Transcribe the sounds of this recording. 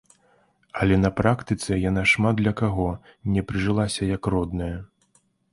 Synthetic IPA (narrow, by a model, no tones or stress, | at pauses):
ɐlʲɛnɐpɾakt̪ɨt̪sɛjanaʂmad̪d̪lʲɐkaɣɔnʲɛpɾɨʐɨlˠasʲɐjɐkrɔd̪nɐjɐ